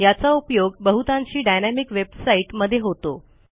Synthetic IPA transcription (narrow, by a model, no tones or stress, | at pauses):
jat͡saupjoɡbəɦut̪ãɲt͡ɕiːɖajnæmikʋebsaiʈməd̪ʱːjeɦot̪o̰